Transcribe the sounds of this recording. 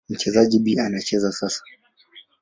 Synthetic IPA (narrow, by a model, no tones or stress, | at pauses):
ŋ̩kʰɛzad͡ʒibiʔanat͡ʃɛzasɐsḁ